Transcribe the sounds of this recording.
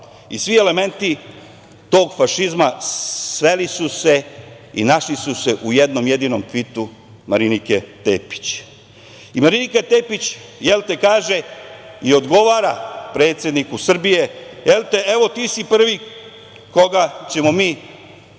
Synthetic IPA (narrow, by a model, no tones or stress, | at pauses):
isʋie̞le̞me̞nt̪i | t̪o̞ːɡfaʃizmasʋelisuse̞ | ḭnaʃlisuse̞ʔujed̪no̞mje̞d̪iːno̞mfit̪u | maɾinike̞t̪ḛːpi̥t͡ɕ | imaɾinikat̪e̞ːpit͡ɕjelt̪e̞kaːʒe̞io̞d̪ɡo̞ʋaːɾapɾe̞ːt̪sʲje̞d̪nikusr̩bije̞jelt̪e̞e̞ʋo̞t̪iːsipr̩ʋi | ko̞ɡat͡ɕe̞mo̞miː